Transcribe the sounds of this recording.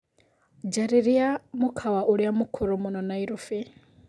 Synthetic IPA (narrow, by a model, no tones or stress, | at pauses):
d͡ʒaɾiɾiamukʰaβaʔuɾiamukʰuɾumunonaiɾufi